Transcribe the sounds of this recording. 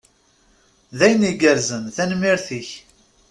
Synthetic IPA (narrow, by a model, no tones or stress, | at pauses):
ðæjniɡəɾzənθænmiɾθiç